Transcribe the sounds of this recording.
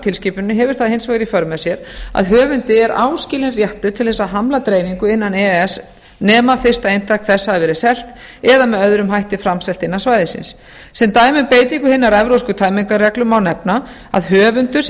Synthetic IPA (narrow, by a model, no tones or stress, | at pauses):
t̪ʰɪlsciːpʏnːʏɦɛvʏɾ̥θaðhejnsvaɣɾifœɾmɛsjɛɾa̰ðɦœːvʏnt̪ɪɛɾʔa̰ːwscɪːlɪnrjɛht̪ʏ̥t̪ʰɪlθɛsːaɦamlat̪ɾeːjmiŋkʏɪnːanɛɛs | nɛːmafɪr̥st̪aejnt̪ʰahkθɛsːaːvɛːɾɪsɛl̥t̪ | ɛðamɛðœðɾʏmɦajht̪ɪfɾamsɛlt̪ɪnːasvaːjðɪsɪ̰ns | sɛmt̪aːjmɪnpeːjt̪iŋkʏhɪnːaɾɛvɾowskʏt̪ʰaːjmiŋkarɛklʏmawnɛpna | a̰ðɦœːvʏnt̪ʏs